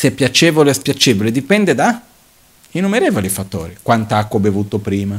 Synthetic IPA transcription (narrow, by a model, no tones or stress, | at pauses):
sɛpːjat͡ʃeːvolespjat͡ʃeːvoled̪ipɛnd̪ed̪a | inːumeɾeːvolifat̪ːo̰ːɾikwant̪aakːobevuːt̪opɾiːma